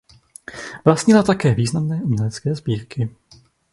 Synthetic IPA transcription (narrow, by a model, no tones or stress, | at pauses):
vlastɲɪlat̪akɛːviːznamnɛːʔumɲɛlɛt͡skɛːzbiːɾkɪ